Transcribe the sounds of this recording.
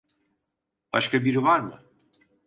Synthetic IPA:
b̥a̰ʃkʰabiɾivaɾmɯ̰

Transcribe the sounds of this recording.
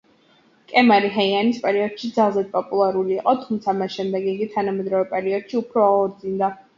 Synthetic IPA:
kʼɛmaɾiɦaianispʼɛɾiɔd̪̥ʃid̪zalˠzɛd̪̚pʼɔpʼulˠaɾuliːqʼɔt̪ʰumt̪sʰamasʃɛmd̪ɛɡiɡit̪ʰanamɛd̪ɾɔvɛpʼɛɾiɔd̪̥ʃiupʰɾɔaɔɾd̪zind̪a

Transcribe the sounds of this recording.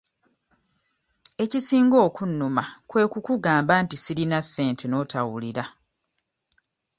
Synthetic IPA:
e̞cisiːŋɡo̞ːkunːumakwe̞ːkukuɡaːmbaːntisilinasːe̞ːntʰe̞no̞ːtawuliɾa

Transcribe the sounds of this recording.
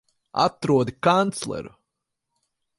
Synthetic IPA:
a̰t̪ɾuɔd̪ikant̪slˠɛ̰ɾṵ

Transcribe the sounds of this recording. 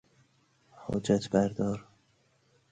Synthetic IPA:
ho̰d͡ʒæt̪ʰbæɾd̪ɒːɾ

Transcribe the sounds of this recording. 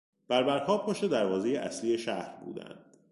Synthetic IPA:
b̥æɾbæɾkʰɒːb̚poʃed̪æɾvɒːze̞jeʔæ̰sliːe̞ʃæhɾbṵːd̪æ̰nd̪̥

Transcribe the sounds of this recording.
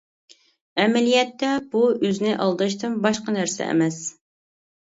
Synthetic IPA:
ɛmɛlijɛt̪ʰːɛb̥uøznɪʔɑlˠd̪ɨʃt̪ɨnbɑʃqɑnæɾsɛ̰ɛ̰mɛs

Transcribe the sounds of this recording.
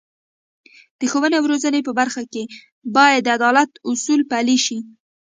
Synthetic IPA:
d̪̥əxowənewɾozənepəbaɾxake | bɑjad̪ːəad̪ɑlat̪ʊsulpaliʃi

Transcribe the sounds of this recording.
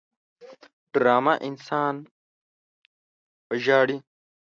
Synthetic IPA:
ɖɾaːmaʔinsaːn | bɐʑaːɽi

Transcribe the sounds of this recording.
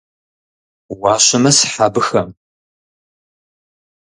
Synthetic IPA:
wɑːɕɐmɐsħaːbɨxɐm

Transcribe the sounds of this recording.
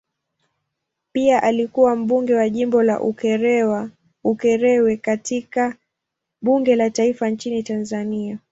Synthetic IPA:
piaʔalikuwam̩ɓuŋɡɛwaʄimbɔla̰ʔukɛɾɛwa | ukɛɾɛwɛkatika | ɓuŋɡɛlataifant͡ʃinitanzania

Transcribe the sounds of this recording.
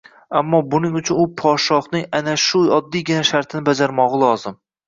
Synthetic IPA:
amːɒbʊnɪŋʊt͡ʃʰʊnʊpʰɒt̪ʃɒχnɪŋanaʃʊɒd̪ːijɡʲɪnaʃaɾt̪ʰɪnɪbad͡ʒaɾmɒʁɨlˠɒzɪm

